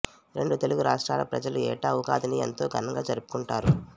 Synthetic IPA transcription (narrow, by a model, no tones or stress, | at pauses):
ɾe̞ɳɖut̪e̞luɡuɾaːʂʈɾaːlɐ̰pɾɐ̰d͡ʒɐluɛːʈaːʋuɡaːd̪ɐniɐ̰nt̪o̞ːɡʱɐnɐŋɡaːd͡ʒɐɾupu̥kuɳʈaːɾu